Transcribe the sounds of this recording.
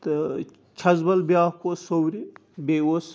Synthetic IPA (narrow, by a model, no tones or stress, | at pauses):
t̪ | t͡ʃʰɐzbɐlbjaːkʰosowɾibeːwos